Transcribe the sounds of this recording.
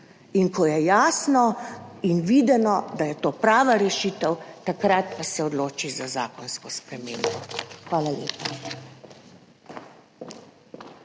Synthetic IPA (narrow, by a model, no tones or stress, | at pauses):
inkʰɔjɛjaːsnɔinʋiːd̪ɛnɔd̪ajɛt̪oːpɾaːʋaɾɛʃiːt̪əwt̪akɾat̪pasɛɔd̪loːt͡ʃizazaːkɔnskɔspɾɛmeːmbɔxʋaːlalḛːpa